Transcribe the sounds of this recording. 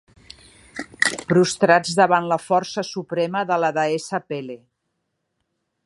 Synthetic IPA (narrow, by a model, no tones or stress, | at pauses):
pɾust̪ɾad͡zðəβanləfɔrsəsupɾɛməðələðəesəpele